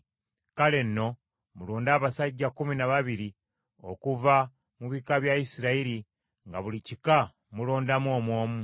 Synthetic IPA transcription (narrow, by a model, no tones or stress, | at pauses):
kale̞nːo̞ | muloːndaːβasaɟːakuminaβaβiɾi | o̞kuva | muβikaβjaisiɾaiɾi | ŋɡaβulicika | mulo̞ːndamwoːmwo̞ːmu